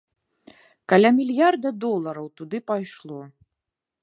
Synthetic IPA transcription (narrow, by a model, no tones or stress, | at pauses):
kalʲamʲilʲjard̪ɐd̪ɔlˠɐɾɐwt̪ud̪ɨpajʂlˠɔ